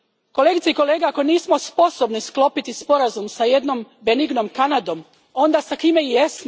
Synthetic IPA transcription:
ko̞leɡit̪seiko̞le̞ːɡeako̞niːsmo̞spo̞so̞bnisklo̞pit̪ispo̞ɾazumsaje̞d̪no̞mbeniɡno̞mkanad̪o̞m | o̞nd̪asakimejesn

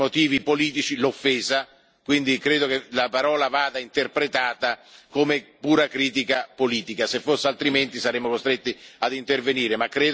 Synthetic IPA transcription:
ot̪iːvipoliːt̪̬it͡ʃilofːɛːza | kwind̪ikɾeːd̪okelapaɾɔːlavaːd̪aint̪erpɾet̪aːt̪akomepuːɾakɾiːt̪ikapoliːt̪ikasefːosːealt̪ɾiment̪isaɾemːokost̪ɾet̪ːiad̪int̪erveniːɾemakːɾeː

